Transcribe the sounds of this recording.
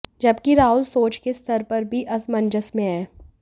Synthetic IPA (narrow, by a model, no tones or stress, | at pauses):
d͡ʒɐbkiɾaːʊlsoːt͡ʃkest̪ʰəɾpɐɾbʱiʔɐsmɐ̃nd͡ʒəsmẽɛː